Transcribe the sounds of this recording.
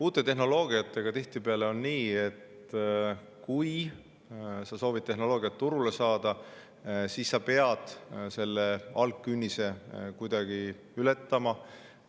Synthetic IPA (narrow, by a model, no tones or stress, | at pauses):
uːt̪ːˑe̞t̪e̞ɦno̞lo̞ːɡ̥iɑt̪ːˑe̞ɡ̥ɑt̪iht̪ipe̞ɑle̞o̞nːiːe̞t̪ | kuj | sɑso̞ːvid̪̚t̪ːe̞ɦno̞lo̞ːɡ̥ijɑt̪ːuɾule̞sɑːd̪ɑ | siːsːɑpe̞ɑd̪̥se̞lːe̞ɑlkːˑynʲːise̞kujd̪ɑɡ̥i | yle̞t̪ːɑmɑ